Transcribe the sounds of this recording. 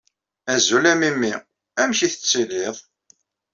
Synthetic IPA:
æzulæmimːi | æmçiθə̥t͡sːilɪðˤ

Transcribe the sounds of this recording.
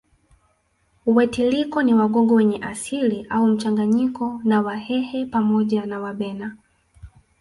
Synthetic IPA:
uwɛtilikɔniwaɠɔŋɡɔwɛɲɛʔasiliʔaum̩t͡ʃaŋɡaɲikɔnawahɛhɛpamɔʄanawaɓɛna

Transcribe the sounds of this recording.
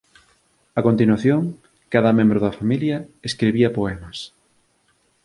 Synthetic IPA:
ɐkont̪inwaθjoŋ | kaðɐmẽmbɾʊðɐfamiljɐeskɾeβiɐpoɛmɐs

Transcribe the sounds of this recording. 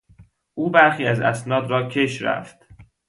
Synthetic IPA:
ʔuːbæɾxiːæzæ̰snɒːd̪ɾɒːcʰe̞ʃɾæ̰ft̪

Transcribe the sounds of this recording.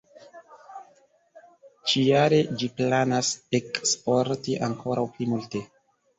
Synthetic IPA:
t͡ʃijaɾe̞d͡ʒiplanasekspoɾtiʔaŋkʰo̞ɾʔawplimulte̞

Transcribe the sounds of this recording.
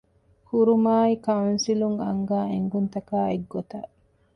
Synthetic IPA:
kuɾumaːikɐwnsiluŋɐ̰ŋɡaːeŋɡunt̪ɐkaːeɡːot̪ɐ

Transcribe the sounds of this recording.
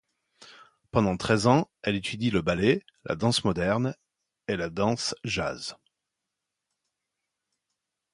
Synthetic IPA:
pɑ̃d̪ɑ̃t̪χɛzɑ̃ɛlet̪ʰyd̪iləbale | lʔa̰d̪ɑ̃smɔd̪ɛʁn | elad̪ɑ̃sʒa̰z

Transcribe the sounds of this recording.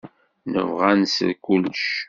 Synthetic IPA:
nə̰vʁænsə̰kulʃ

